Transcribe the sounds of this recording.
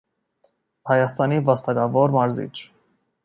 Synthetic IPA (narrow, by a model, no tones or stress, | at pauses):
hɑjɑst̪ɑnivɑst̪ɑɡɑvɔɾmɑɾzḭt͡ʃʰ